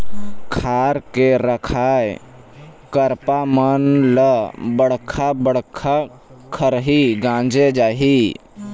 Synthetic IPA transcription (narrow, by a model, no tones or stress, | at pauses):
kʰaːɾkeɾəkʰaːj | kəɾpamənləbəɽkʰabəɽkʰa | kʰəɾɦiɡãːnd͡ʒed͡ʒaːɦi